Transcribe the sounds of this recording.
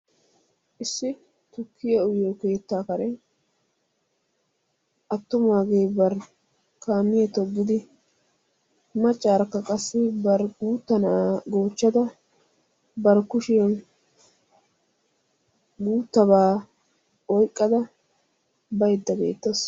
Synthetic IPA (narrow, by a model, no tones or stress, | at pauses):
ʔɪsːɪ | t̪ʊkʰːɪjɐʊjoke̞ːt̪ːaːkɐɾɛ | ʔɐt̪ːʊmaːɡeːbɐɾ | kaːmːɪjɐt̪ɔɡːɪd̪ɪ | mɐt͡ʃʼːaːɾkːɐkʼɐsːɪbɐɾɡuːt̪ːɐnaːɡo̞ːt͡ʃːɐd̪ɐ | bɐɾkʊʃeːn | ɡuːt̪ːɐbaː | ɔjkʼːɐd̪ɐ | bɐjd̪ːɐbḛːt̪ːɐs